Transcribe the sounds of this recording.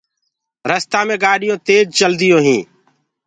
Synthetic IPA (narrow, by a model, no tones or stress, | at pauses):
ɾəst̪aːmẽːɡaːɗɪjõːt̪eːd͡ʒt͡ʃəld̪ɪjõːɦĩː